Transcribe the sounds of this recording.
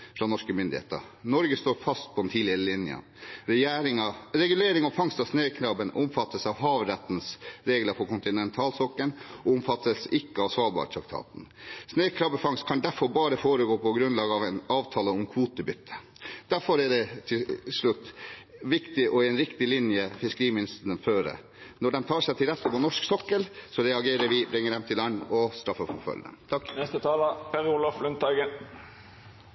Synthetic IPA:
fɾɑːnɔʂkəmʏnd̪ɪ̰hḛːt̪ə̰ɾnɔɾɡəst̪oːɾfɑst̪̚pʰɔd̪ɛnt̪ʰiːlɪəɾɪlɪnjə̰n | ɾɛjæːɾɪŋɑɾɛɡʉleːɾɪŋɔfɑŋst̪ɑʋsneːkʰɾɑːbənʊmfɑt̪ːəsɑʋɦɑːʋɾɛt̪ːn̩sɾeːɡləɾfɔɾkʰʊnt̪ɪnɛnt̪ʰɑːlsɔkːənɔʊmfɑt̪ːəsɪkːəɑʋsʋɑːlbɑ̰ɾət̪ʰɾɑk̚t̪ʰɑ̰ːt̪n̩sneːkʰɾɑːbəfɑŋskʰɑnd̪æɾfɔɾbɑːɾəfoːɾəɡoːpʰɔɡɾʉnlɑːɡəɑʋɛnɑːʋt̪ʰɑːləɔmkʰʋuːt̪əbʏt̪ʰːə̥ | d̪̥æɾfɔɾɛɖɛt̪ʰɪlʂɭʉt̪ːʋɪkt̪ɪʔɔɪɛnɾɪkt̪ɪlɪnjəfɪskəɾiːmɪnɪst̪əɳənføːɾə̰ | nɔɖɛnt̪ʰɑːʂɛɪt̪ʰɪlɾɛt̪ːəpɔnɔʂksɔkːəlsɔɾɛɑɡeːɾəɾʋɪbɾɪŋːəɖ̪ɛmt̪ʰɪlænːɔst̪ɾɑfːəfɔfœ̰ld̪ɛ̰mt̪ʰɑkːnɛst̪ət̪ʰɑːləpʰɛɾʊlɔflʉnt̪ɑɡə

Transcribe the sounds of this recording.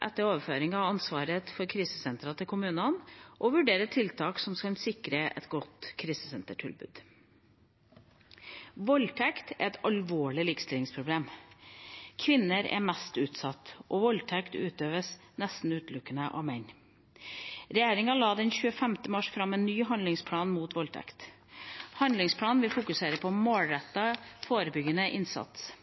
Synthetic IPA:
ʔɛ̰t̪ːəɾoːʋəføːɾɪŋɑʋɑnsʋɑːɾəfɔɾkʰɾiːsəsɛnt̪ɾɑt̪ʰɪlkʰʊmʉːnənʔɔʋʉɖeːɾət̪ʰɪlt̪ʰɑːksɔmskɑnsɪkɾəʔɛ̰t̪ɡɔt̪kʰɾiːsə̥sɛnt̪əʈʰɪlbʉ̰ːd̪̥ | ʋɔlt̪ʰɛkt̪ʰɛ̰ɾɛt̪ɑlʋoːɭɪlɪkst̪ɪlɪŋspʰɾʊbleːm | kʰʋɪnːəɾɛ̰mɛst̪ʉːt̪sɑt̪ːʔɔʋɔlt̪ʰɛkt̪ʉ̰ːt̪øːʋəs | nɛst̪n̩ʉːt̪lʉkːənəʔɑ̰ːʋmɛɲ | ɾɛjeːɾɪŋɑlɑːd̪ɛnçʉːəfɛmt̪əmɑʂfɾɑmɛːnːyːɦɑnd̪lɪŋspʰlɑːnmuːt̪ʋɔlt̪ʰɛ̰kt̪ | hɑnd̪lɪŋspʰlɑːnʋɪlfʊkʉseːɾəpʰɔmoːlɾɛt̪ːɑfoːɾəbʏɡənəʔɪnsɑ̰t̪s

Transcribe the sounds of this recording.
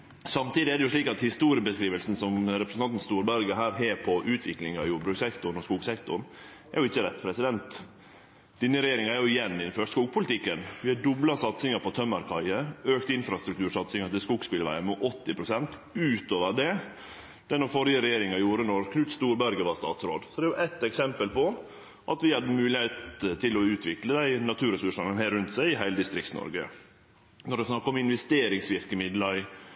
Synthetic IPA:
sɑmt̪iːd̪ɪɛɖɛjʊʂɭiːkɑt̪hɪst̪uːɾɪəbəskɾiːʋəlsn̩sɔmɾɛpɾəsn̩ɑnt̪n̩st̪uːɾbæɾɡəɦæːɾɦeːpʰɔʔʉːt̪ʰʋɪklɪŋɑjʊbɾʉsɛkt̪ʊn̩ɔskuːɡsɛkt̪ʊ̰ɾ̩ | æɾjʊɪçːəɾɛt̪ːpʰɾɛsɪd̪ɛnt̪ | d̪̥ɪnːəɾɛjeːɾɪŋɑæɾjʊɪjɛnːɪd̪nføːʈskuːɡ̚pʰʊlɪt̪ʰɪkːənʋɪhɑɖʊblɑsɑt̪sɪŋɑpʰɔt̪ʰœmːɑɾkʰɑɪəøːkt̪ɪnfɾɑst̪ɾʉk̚t̪ʰʉːɾʂɑt̪sɪŋɑt̪ɪlskuɡspɪlʋæ̰ɪəmɛʔɔt̪ːɪpʰɾʊsɛnt̪ | ʉːt̪oːʋəɾɖ̪ɛ | d̪̥ɛnɔfɔɾjəɾɛjeːɾɪŋɑjuːɾənɔɾkʰnʉt̪st̪uːɾbæɾɡəʋɑst̪ɑ̰ːt̪sɾo̰ːd̪sɔd̪ɛjʊʔæt̪ːɛksɛmpəlpʰɔ | ʔɑt̪ʋɪhɑd̪ːəmʉːlɪheːt̪t̪ʰɪlɔʉːt̪ʰʋɪkləd̪æɪnɑt̪ʰʉːɾɛsʉʂɑnəsɔmhæɪɾʉnt̪sæɪɪɦæɪləd̪ɪst̪ɾɪk̚tsnɔ̰ɾɡə̰ | nɔɖ̪ɛsnɑkːɑɔmɪnʋɛst̪eːɾɪŋsʋɪɾkəmɪd̪lɑɾɪ

